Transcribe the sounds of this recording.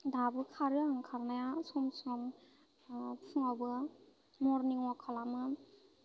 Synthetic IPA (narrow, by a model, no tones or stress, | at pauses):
dabɯkʰaɾɯaŋkʰaɾnajasɔmsɔm | pʰuŋabɯ | mɔɾniŋwakʰalamɯ